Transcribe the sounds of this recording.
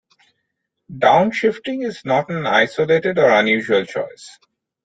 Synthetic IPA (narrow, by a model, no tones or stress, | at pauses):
ɖãʊ̃nʃɪfʈɪ̃ŋɪznɔʈæ̃na̰ɪsoleːʈeɖɔːɾʌ̃njuːʒuəlt͡ʃɔ̰ɪs